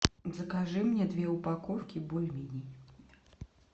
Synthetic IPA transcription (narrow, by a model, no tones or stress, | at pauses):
zɐkaʐɨmnʲɛd̪vʲɛupakɔfkʲibɔlʲmʲinʲej